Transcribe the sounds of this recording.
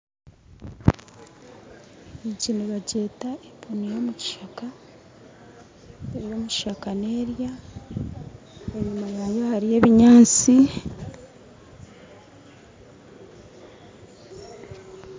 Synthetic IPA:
iɟiniβaɟe̞taepunijomuci̥ʃaka | eβiɾoːmuciʃakane̞ːɾja | eɲumajajahaɾije̞ːβiɲaːt͡si

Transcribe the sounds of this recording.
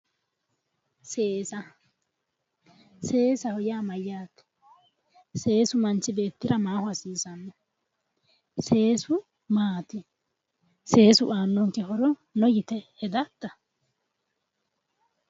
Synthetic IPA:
seːsɐ | se̞ːsɐhɔjaːmɐjːaːt̪ːɛ̥ | se̞ːsʊmɐnt͡ʃːɪbe̞ːt̪ːɪɾɐmaːhʊɐsiːsɐnːɔ | se̞ːsʊ | maːt̪ɪ | se̞ːsʊʔaːnːɔnkɪɦɔɾɔnɔjɪt̪ɛɛd̪ɐt̪ːɐ

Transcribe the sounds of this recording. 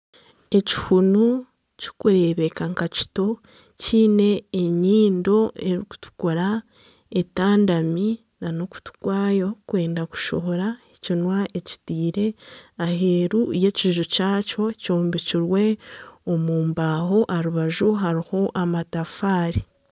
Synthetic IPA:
e̞ci̥hunu | ci̥kuɾe̞βe̞kaŋkaci̥to̞ | ciːne̞ːɲiːndo̞eɾiku̥tu̥koɾa | etaːndami | nanoku̥tu̥kwaːjo̞kwe̞ːndaku̥ʃoβoɾaecinwaʔe̞ci̥tiːɾe̞aɦe̞ɾuje̞ciʒucaːco̞coːmbiciɾwe̞omuːmbaːɦo̞ʔaɾuβaʒuɦaɾiho̞ʔamatafaːɾi

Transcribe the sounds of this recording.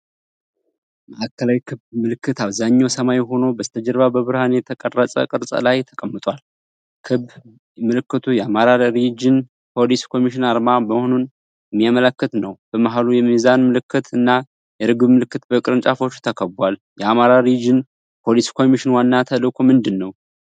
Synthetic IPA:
məʔakʰːəlawikʰɨbmɨlɨkːɨt̪aβzaɲːawsəmajɦo̞nobəst̪ʰəd͡ʒɛɾβabəβɨɾhanjɛt̪ʰəkʼərːət͡sʼə̰kʼɨɾsʼə̰lajt̪ʰə̥kʼəmːɨt̪ʼwal | kʰɨb | mɨlɨkːɨt̪ʰujɛamaɾaɾed͡ʒɪn | pʰo̞liskʰo̞miʃɪnaɾmaməho̞nun | jɛmːijamələkːɨt̪nəwb̥əmaɦalujɛmizanmɨlɨkːɨt̪ʰɨnːa | jɛɾɨɡɨbmɨlɨkːɨt̪bəkʼɨɾɨnt͡ʃʼafo̞t͡ʃːu̥t̪ʰəkʰəbal | jɛamaɾaɾed͡ʒɪn | pʰo̞liskʰo̞miʃɪnwanːat̪ʰəlɨkʰo̞mɨnd̪ɨnːəw

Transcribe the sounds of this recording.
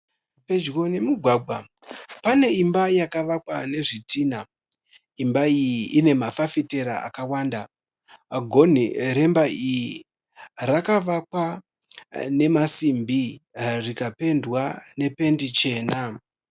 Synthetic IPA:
pe̞d͡ʒɣo̞ne̞muɡʱwaːɡʱwa | pane̞imbajakaʋakwane̞ʐitʰiːna | imbaijiʔine̞mafafite̞ɾa̰a̰kawaːnda | ɡʱo̞n̤iɾe̞mbaiji | rakaʋakwa | ne̞masimbirikape̞ndwane̞pe̞ndit͡ʃe̞ːna

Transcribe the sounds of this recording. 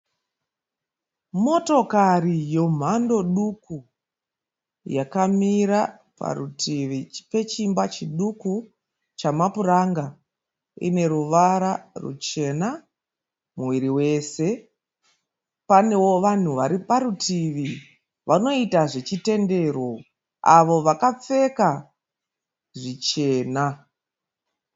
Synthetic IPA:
mo̞to̞karijo̞m̤ando̞ɗuku | jakamiɾa | pa̰rutʰiʋipe̞t͡ʃimbat͡ʃiɗuku | t͡ʃamapuraŋɡa | ḭne̞ɾuʋaɾarṵt͡ʃe̞na | muwiɾiwe̞ːse̞ | pane̞wo̞ʋan̤uʋaɾipaɾutʰiʋi | ʋano̞itaʐe̞t͡ʃite̞nde̞ro̞ | a̰ʋo̞ʋakap͡fe̞ka | ʐit͡ʃe̞ːna

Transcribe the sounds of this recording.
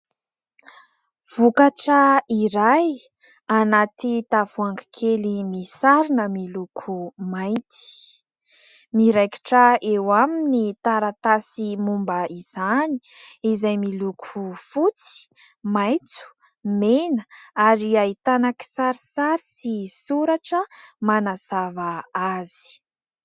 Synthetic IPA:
v̥ukaʈ͡ʂəiɾaj | anat̪it̪avuaŋɡi̥kʰelimisaɾinəmilukʰumajt̪i̥ | miɾajki̥ʈ͡ʂəewaminit̪aɾat̪asimumbəiz̥ani̥izajmilukʰufut͡si̥ | majt͡su̥ | menəaɾiait̪anaki̥saɾisaɾisisuɾaʈ͡ʂəmanazavaazi̥

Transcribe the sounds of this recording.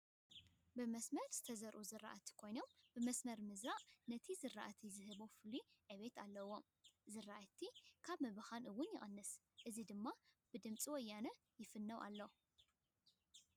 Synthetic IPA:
bɨmɐsmɐɾz̥ɨt̪ʰɐzɐɾʔuzɨɾːa̰ʔat̪ʰkʰo̞jnombɨmɐsmɐɾmɨzɾaʔnɐt̪ʰizɨrːa̰ʔat̪ʰizɨɦɨβofɨliʔɨβe̞t̪ʰalːɐwːom | zɨraʔt̪ʰːikʰaβmɐβɨxanʔɨwʊnjɪʔʼɐnːɨs | ʔɨzid̪ɨmːa | b̥ɨd̪ɨmt͡sʼiwɔjːanɐ | jɪfɨnːɐwʔa̰lːo

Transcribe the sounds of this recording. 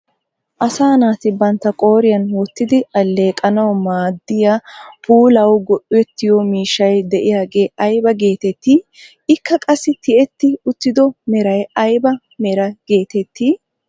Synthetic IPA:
ʔɐsaːnaːt̪ɪbɐnt̪ːɐkʼo̞ːɾɪjɐnwɔt̪ːɪd̪ɪɐlːe̞ːkʼɐnɐwmaːd̪ːɪjapuːlɐwɡɔʔʊɛt̪ːɪjɔmiːʃɐjd̪ɛʔɪjaːɡe̞ːʔɐjbɐɡe̞ːt̪ɛt̪ːiː | ɪkːɐkʼɐsːɪt̪ɪʔɛt̪ːɪʊt̪ːɪd̪ɔmɛɾɐjɐjbɐ | mɛɾɐɡe̞ːt̪ɛt̪ʰːiː

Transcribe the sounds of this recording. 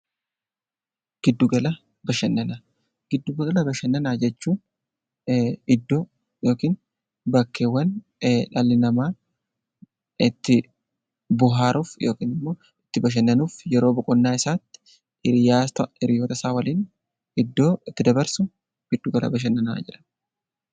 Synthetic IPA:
ɡ̥ɪd̪ːʊɡɐlɐ | bɐʃɐnːɐna | ɡ̥ɪd̪ːʊɡɐɐlɐbɐʃɐnːɐnaːd͡ʒɛt͡ʃːuː | ɪd̪ːo | jo̞ːkiːn | bɐkːeːwːɐn | ᶑɐlːɪnɐmaː | ɪt̪ːɪ | bʊɦaːɾʔufjo̞ːkiːnɪmːo̞ː | ɪt̪ːɪbɐʃ̬ɐnːɐnuːfjɛɾo̞ːbɔkʼɔnːaːɪsaːt̪ːɪ̥ | ɪɾɪjaːt̪ɐɪɾɪjoːt̪ɐsaːwɐliːn | ɪd̪ːo̞ːɪt̪ːɪd̪ɐbɐɾsʊ | ɡ̥ɪd̪ːʊɡɐlʔɐ̰bɐʃ̬ɐnːɐna̰ːd͡ʒɪᶑɐ̥n

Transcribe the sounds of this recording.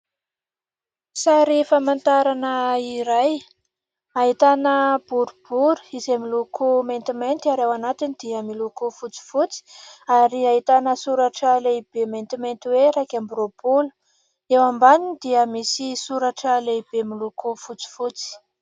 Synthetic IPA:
sajɾefamant̪aɾanəiɾaj | aɦit̪anəb̥uɾub̥uɾu̥izemilukʰument̪imejnt̪aɾewanat̪inid̪̥iamilukufut͡si̥fut͡si̥aɾiaɦit̪anəsuɾaʈ͡ʂəleib̥ement̪iment̪iweɾakambɾob̥ulə̥ | ewambaninid̪̥iəmisisuɾaʈ͡ʂəleb̥emilukʰufut͡si̥fut͡si̥

